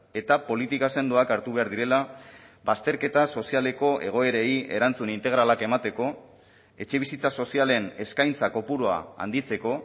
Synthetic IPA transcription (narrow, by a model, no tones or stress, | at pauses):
e̞t̪apo̞lit̪ikase̞nd̪uakaɾt̪uβ̞e̞aɾðiɾe̞labast̪e̞ɾke̞t̪aso̞siale̞ko̞ʔe̞̰ɣ̞o̞e̞ɾe̞ie̞̰ɾant͡sunint̪e̞ɣ̞ɾalake̞mat̪e̞ko̞ | e̞t͡ʃe̞β̞isit͡saso̞siale̞ne̞skajnt͡sako̞puɾoa̰a̰nd̪it͡se̞ko̞